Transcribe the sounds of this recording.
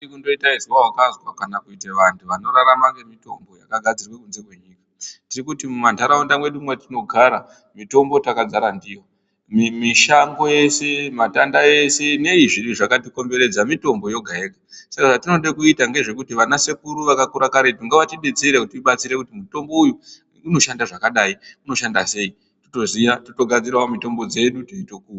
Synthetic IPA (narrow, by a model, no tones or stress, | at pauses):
ikundo̞itaizwawakazwakanakuiteʋantʰuʋano̞ɾaɾamaŋɡemito̞mbo̞ja̰kaɡʱad͡zirwe̞kunze̞kwe̞ɲiːkḁtirikutimumantʰaɾaundamwe̞ɗumwetino̞ɡʱaɾa | mito̞mbo̞takad͡zaɾandijo | mimiʃaŋɡo̞je̞sematandaje̞se̞ne̞iʐiɗiʐakatiko̞mbe̞ɾe̞d͡zamito̞mbo̞jo̞ɡʱaeɡasakaʐatino̞ɗekuitaŋɡe̞ʐe̞kutiʋanase̞kuɾuʋakakuɾakaɾetuŋɡeʋatiɗed͡zeɾekutiiɓat͡siɾekutimuto̞mbo̞ujuː | no̞ʃandaʐakaɗaiuno̞ʃandase̞i | to̥to̞zijatoto̞ɡʱad͡ziraomito̞mbo̞d͡ze̞ɗutoitokuwa